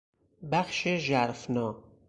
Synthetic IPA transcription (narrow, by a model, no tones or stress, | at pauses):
bæxʃeʒæɾfnɒː